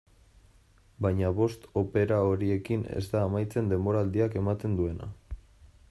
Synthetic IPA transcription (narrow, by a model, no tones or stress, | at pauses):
bajɲaβ̞o̞st̪o̞pe̞ɾao̞ɾie̞kine̞̰zd̪aːmajt͡se̞nd̪e̞mbo̞ɾaːld̪iake̞mat̪e̞nd̪ue̞na̰